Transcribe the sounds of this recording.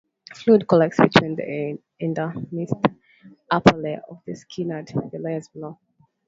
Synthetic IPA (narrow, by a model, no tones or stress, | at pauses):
flud̚kʰɔlɛk̚tsb̥itʰwĩnðḭ | ɛ̃ndəmist | ʔapʰəlɛɔ̰vðəskʰinədvilɛzblɔ